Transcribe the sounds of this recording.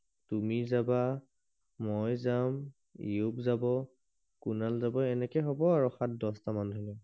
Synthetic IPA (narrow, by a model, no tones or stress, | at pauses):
tumizaba | mojzam | ḭupzabɔ | kunalzabɔɛnɛkɛjɦɔbɔaɹɔxat̚dɔstamandʱɔli